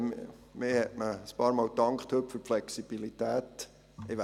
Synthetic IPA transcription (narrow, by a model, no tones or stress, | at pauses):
mmɪhɛtməəspɑːɾmɑːltɑŋkχthɵtpføɾflɛksib̥ilitæːt | ɪʋ